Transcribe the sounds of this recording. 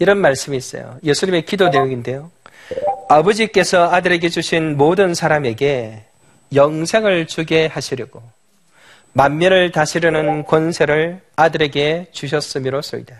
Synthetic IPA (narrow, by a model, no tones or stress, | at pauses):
iɾʌnmaɭs͈ɯmiːs͈ʌ̰jo̰je̞sʰuɲimekidonejʌɡinde̞jo | abʌd͡ʑik͈e̞sʰʌadɯɾe̞ɡed͡ʑuɕʰinmodɯnsʰaɾame̞ɡe̞ | jʌŋsʰe̞ŋɯɭt͡ɕuɡe̞haɕʰiɾjʌɡo | manːjʌɾɯɭtaɕʰiɾjʌnɯnkwʌnsʰe̞ɾɯɭ | adɯɾe̞ɡe̞t͡ɕuɕ̬ʰʌs͈ɯmiɾos͈ʌ̰ḭda